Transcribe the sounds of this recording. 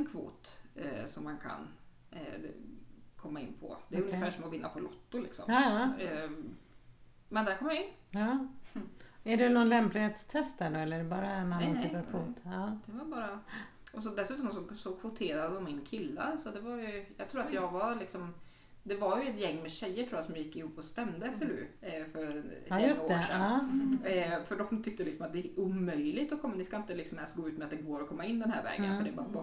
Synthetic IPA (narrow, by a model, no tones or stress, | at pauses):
ɛnkʰvo̰ːt̪sɔmːankʰa̰n | kʰɔmːaɪ̰nːpʰɔ̰d̪ɛjɵəfæːʂɔmɔvɪnːa̰pʰɔlʔɔt̪ːʊlɪksɔ̰mː | mɛnd̪æɾkɔmːjaɪnːɑː | æɖɛnɔnlɛmplɪheːt̪st̪ʰɛst̪d̪æɖɔɛlːəɖɛbɑːɾamanɪnəfəɾkʰvoːt̪ɑːd̪̥ɛvabɑːɾa | ʔɔs̬ɔd̪ɛsʉːt̪ɔmsɔɡsɔfʊt̪ʰeːɾad̪əɔmːɪnkʰɪlːa̰alsɔd̪ɛvaɾjɵjɑːɡt̪ʰɾuːɾat̪jɑːɡvaɾlɪksɔm | d̪ɛvaɾjɵɛt̪jɛŋːmɛɕɛjːəʈʰɾuːjasɔmjɪkːɪhuːpːɔst̪ɛmd̪əɛsɛɾʉ̰ːfœɾoːʂɛnː | fœɖɔmt̪ʰʏk̚t̪əlɪksɔmat̪̚d̪ɛʔumœjlɪt̪ɔkʰɔmːnɪskaɪnt̪əlɪksɔmɛst̪ɡoːʉ̟ːt̪mɛat̪̚d̪ɛɡoːɾɔkʰɔmːaɪnːd̪ɛnhæ̰ɾvɛ̰ːɡənfœɖɛb